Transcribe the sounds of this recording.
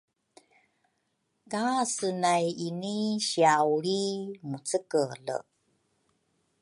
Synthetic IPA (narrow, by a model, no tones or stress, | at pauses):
kasənajiniɕiawɾimut͡səkələ̰